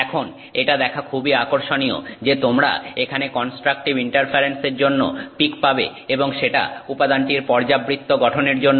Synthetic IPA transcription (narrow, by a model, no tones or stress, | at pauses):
ɛkʰon | eʈad̪ɛkʰakʰubiakoɾʃonijo̰d͡ʑet̪omɾa̰ekʰanekɔnsʈɾak̚ʈibiɳʈaɾfʰaɾenseɾd͡ʑonːo̰pikpabḛ | eboŋʃeʈa̰upad̪anʈiɾpɔɾd͡ʑabɾit̪ːoɡɔʈʰoneɾd͡ʑonːo